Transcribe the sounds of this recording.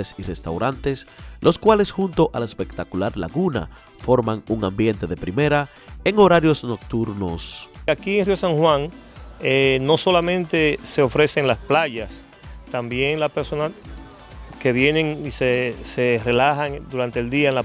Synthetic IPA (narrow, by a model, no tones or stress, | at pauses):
esire̞st̪awɾant̪e̞slʔo̞skwale̞sxunt̪o̞ʔalaespe̞kt̪akulaɾla̰ɣuna̰ | fo̞ɾmaŋuŋãmbje̞nt̪e̞ðe̞pɾime̞ɾa | eŋo̞ɾaɾjo̞sno̞k̚t̪uɾnosakieŋriosaŋhwãŋeno̞so̞lamẽnt̪e̞se̞ofɾe̞se̞ŋlasplaʝas | t̪ambje̞ŋlaspeɾso̞na | ke̞βje̞neŋisesere̞lahaŋd̪uɾant̪eːld̪iaenla